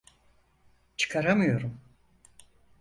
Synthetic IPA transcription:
t͡ʃʰɯ̥kʰaɾamɯjo̞ɾum

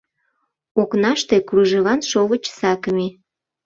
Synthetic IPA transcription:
oknɑʃt̪e̽kruʒelɑnʃolə̆t͡ɕsɑkəme

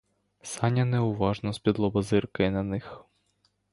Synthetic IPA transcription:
sɑnʲɐnɛʊʋɑʒnɔspʲid̪lˠɔbɐzɪrkɪnɐnɪx

